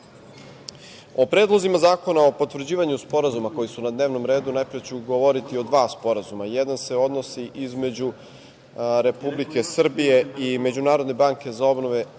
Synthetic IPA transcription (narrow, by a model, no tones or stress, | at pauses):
o̞pɾe̞ːd̪lˠo̞zimazaːko̞nao̞po̞t̪ʋr̩d͡ʑiːʋaɲuspo̞ɾazumako̞jisunad̪ne̞ːʋno̞mɾe̞ːd̪unajpɾijet͡ɕuɡoʋo̞ɾit̪io̞d̪ʋaːspo̞ɾazumajɛd̪anse̞o̞d̪no̞siʔizme̞d͡ʑu | ɾe̞publike̞sr̩bije̞ime̞d͡ʑunaːɾod̪ne̞baːŋke̞zao̞bnoʋe̞